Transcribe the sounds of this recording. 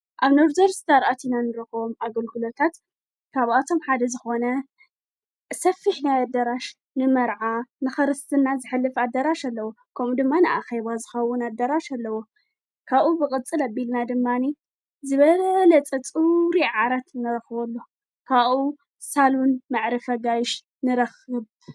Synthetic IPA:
ʔaβnoɾzɐɾsɨt̪ʰaɾʔat̪ʰinanɨɾɐxɨβomʔaɡɐlhulɐt̪ʰat̪ | kʰaβʔat̪ʰo̞mħad̪ɐzɨxo̞nɐ | sɐfːɨħnajad̪ɐɾaʃ | nɨmɐɾʕanɨxɐɾɨst̪ʰɨnazɨħɨlːɨfad̪ːɐɾaʃalːɐwo | kʰɐmud̪ɨmːanɨʔaxeβazɨxɐwːʊnad̪ːɐɾaʃalːɐwo | kʰaβʔubɨkʼɨt͡sʼɨlabilnad̪ɨmːani | zɨβɐlɐt͡sʼɐt͡sʼuɾiʕaɾat̪nɨɾɐxbolːo | kʰaβʔu | salunmaʕɾɐfɐɡajɪʃ | nɨɾɐxɨβ

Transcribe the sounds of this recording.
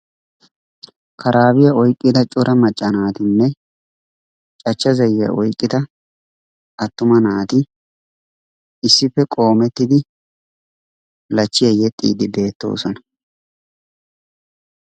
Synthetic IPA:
kʰɐɾʔaːbɪjɐɔjkʼːɪd̪ɐt͡ʃʼʊɾʔɐmɐt͡ʃʼːɐnaːt̪ɪnːɛ | t͡ʃʼɐt͡ʃːɐzɐjɪjɐ̰ʔɔjkʼːɪt̪ɐ | ʔɐt̪ːʊmɐnaːt̪ɪ | ɪsːɪpːɛkʼo̞ːmɛt̪ːɪd̪ɪ | lɐt͡ʃːɪjɐjɛt̪ʼːḭːd̪ɪbe̞ːt̪ːo̞̰ːsɔnɐ

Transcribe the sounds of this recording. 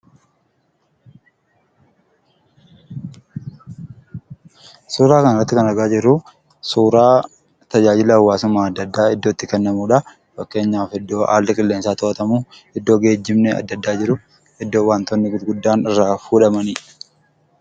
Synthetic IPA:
suːɾaːkɐnɐɪrːɐt̪ːɪkɐnɐɡaːd͡ʒɪɾʊ | suːɾaː | t̪ɐd͡ʒaːd͡ʒɪlɐɐwːaːsʊmaːɐd̪ːɐd̪ːaːɪd̪ːo̞ːt̪ːɪkɛnːɐmuːᶑɐ | fɐkːe̞ːɲːaːfɛd̪ːo̞ːʔa̰ːlːɪkʼɪlːe̞ːnsaːt̪ɔʔɐt̪ɐmuː | ɪd̪ːo̞ːɡe̞ːd͡ʒːɪmnɛɐ̰d̪ːɐd̪ːaːd͡ʒɪɾʊ | ɛd̪ːo̞ːwaːnt̪onːɪɡʊd̪ɡʊd̪ːaːnɪrːaːfuːᶑɐmɐni

